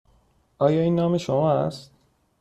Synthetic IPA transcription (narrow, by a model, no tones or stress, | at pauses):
ʔɒːjɒːiːnːɒːme̞ʃomɒːæ̰st̪̚